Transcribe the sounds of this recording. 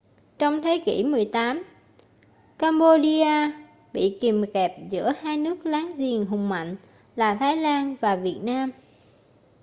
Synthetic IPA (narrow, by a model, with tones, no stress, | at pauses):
t͡ɕɔ˧wŋ͡mt̪ʰe˨˦kḭ˧˩mɨ˨˩əjt̪aː˨˦m | kaː˧mɓo˧ɗi˧aː˧ | ɓḭ˧˨ki˨˩mkɛ˨˩p̚zɨ̰˧˥əhaː˧jnɨ˦˥ək̚laː˨˦ŋzi˨˩əŋɦʊ˨˩ŋ͡mma̰˧˨jŋ̟ | laː˨˩t̪ʰaː˨˦jlaː˧nvaː˨˩vi˨˩ət̚naː˧m